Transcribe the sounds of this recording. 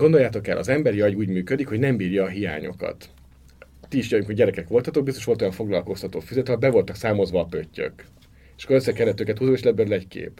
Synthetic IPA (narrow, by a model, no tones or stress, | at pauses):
ɡond̪o̞jaːt̪o̞kɛlːʔɒ̰zɛmbɛɾiɒɟuːɟmyːkød̪ikho̞ɟnɛmbiːrjɒːɦija̰ːɲo̞̰kɒ̰t̪ː | iiʃjɒjuŋkoɟɛɾɛkɛkʋo̞lt̪ɒt̪ok̚bist̪oʃolt̪ojɒɱfo̞ɡlɒlko̞st̪ɒt̪o̰ːfyzɛt̪ɒbɛvo̞lt̪ɒksaːmo̞zʋɒːpøcːø̰k | eʃɒ̥kːoɾøsːɛkɛlːɛt̪ːøːkɛt̪huzoeːʃlɛbøɾølɛckḛːp